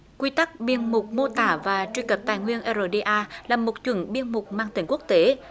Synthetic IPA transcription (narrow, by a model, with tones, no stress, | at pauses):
kwi˧t̪a˦˥k̚ɓi˧ənmʊ˨˩k͡p̚mo˧t̪aː˧˩vaː˨˩t͡ɕwi˧kə˨˩p̚t̪aː˨˩jŋwi˧ənʔə˧zo˧ɗi˧ʔaː˧laː˨˩mo˨˩t̚t͡ɕwə̰˧˩nɓi˧ənmʊ˨˩k͡p̚maː˧ŋt̪ï˧˩ŋ̟ku˦˥ək̚t̪e˨˦